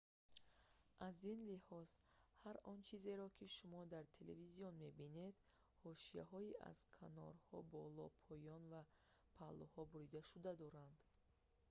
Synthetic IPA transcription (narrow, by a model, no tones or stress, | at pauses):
ʔazinlihɔz̥haɾɔnt͡ʃʰize̞ɾɔkʰiʃumɔd̪aɾt̪ʰelḛvizijɔnme̞bine̞d̪ | hɔʃija̰ɦɔiʔa̰z̥kʰanɔ̰ɾhɔbɔlɔpʰɔjɔnva | pʰalɔhɔbuɾid̪aʃud̪ad̪ɔɾand̪